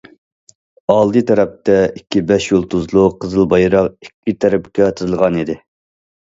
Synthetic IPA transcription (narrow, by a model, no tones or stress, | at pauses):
ɑlˠd̪ɨt̪ʰɛɾɛp̚t̪ɛikʲʰːibɛʃjolˠt̪ʰuzlˠʊqʰəzɨlˠbɑjɾɑqikʲːit̪ʰɛɾɛpkʲɛt̪ʰɨɾɨlˠʁɑnid̪ɪ